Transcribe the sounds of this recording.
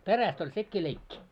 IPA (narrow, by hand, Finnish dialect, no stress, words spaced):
peræst olʲ sekːiː leikːi